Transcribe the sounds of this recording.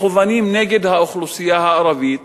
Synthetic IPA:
ʊvaːniːmneːɡɪd̪haʔʊxlusˤɪjːahaʔɑɾˤɑviːt̪

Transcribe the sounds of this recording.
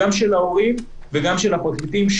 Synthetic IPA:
amʃelaoʁim | veɡamʃelapatmit̪imʃ

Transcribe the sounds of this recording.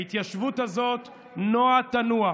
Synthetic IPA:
it̪jaʃvut̪azo̞t̪ | noatanua

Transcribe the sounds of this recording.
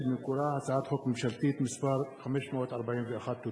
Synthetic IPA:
mɪkʊɾˤɑːhasaʕaːt̪ħokmɪmʃalt̪iːt̪mɪsbɑɾˤxamiʃmwat̪ʔɑɾˤbaʕiːnfiʔaxat̪ːu

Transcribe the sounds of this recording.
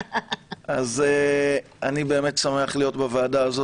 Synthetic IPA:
aze | anibe̞ːme̞tsameaχlijo̞tbaveːdaːzo

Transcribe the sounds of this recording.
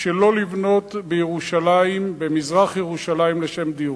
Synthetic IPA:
ʃelo̞livno̞t̪bejeʁuʃalaimbemizʁaχjeʁuʃalaimleʃe̞md̪i

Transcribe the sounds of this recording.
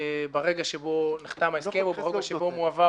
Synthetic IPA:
baʁeɡaʃebo̞niχt̪amaeskemubeʁeɡaʃebo̞muava

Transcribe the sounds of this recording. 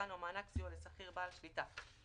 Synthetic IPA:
anomaːnaksiolesaχiʁbaːlʃvit̪a

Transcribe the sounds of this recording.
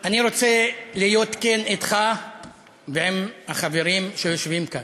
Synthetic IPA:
aniɾo̞t͡selijo̞t̪kenit̪χa | veemhaχaveʁimʃe̞jo̞ʃvimkan

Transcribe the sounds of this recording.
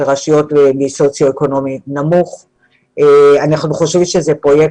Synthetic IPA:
ʁaʃijo̞temiso̞t͡sjo̞eko̞no̞minamuχ | eanaχnuχoʃvimʃezepʁo̞jek

